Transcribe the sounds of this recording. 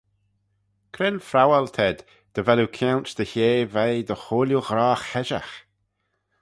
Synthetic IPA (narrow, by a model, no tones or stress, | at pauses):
kʰɾɪnfɾawalt̪ʰɛd̪ | d̪̥əvɛlukʰjawnt͡ʃd̪̥əçeːvɛjd̪əxoːljuɣɾaːxɛʒa̰x